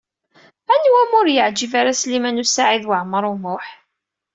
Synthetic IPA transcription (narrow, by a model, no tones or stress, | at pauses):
ænwæmʊɾjəʕd͡ʒivaɾaslimænusaʕiðwəʕməɾˤʊmʊħ